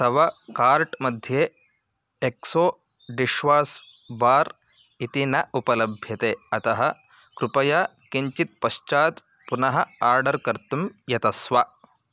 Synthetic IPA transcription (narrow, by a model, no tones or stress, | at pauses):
sɐʋɐkaːɾʈmɐd̪ʱjeː | ksoː | ɖiʃʋaːs | baːɾ | it̪inɐupɐlɐbʱjɐt̪eːɐt̪ɐɦɐ | kɾupɐjaːkiɲt͡ʃit̪̚pɐʃt͡ʃaːt̪ | punɐɦɐ̆aːɾɖɐɾkɐɾt̪umjɐt̪ɐsʋa